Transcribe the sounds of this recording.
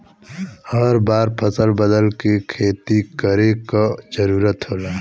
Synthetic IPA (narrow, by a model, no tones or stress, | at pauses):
həɾbaːɾpʰəsəlbəd̪əlkekʰeːt̪ikəɾekad͡ʒəɾuːɾət̪ɦoːlaː